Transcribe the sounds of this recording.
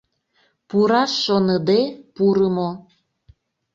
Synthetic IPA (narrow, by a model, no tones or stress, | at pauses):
puɾɑʃːonəd̪epuɾəmo